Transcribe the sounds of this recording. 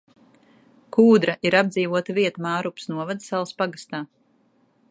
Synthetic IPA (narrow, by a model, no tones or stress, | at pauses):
kʰuːd̪ɾaʔiɾabd̪ziːvuɔt̪aviɛt̪amaːɾupsnuɔvad̪salˠspaɡast̪aː